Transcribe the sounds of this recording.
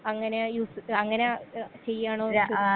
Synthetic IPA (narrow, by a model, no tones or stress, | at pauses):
ɐŋːɐnejuːsɐŋːɐnet͡ɕe̞jːaːɳoːu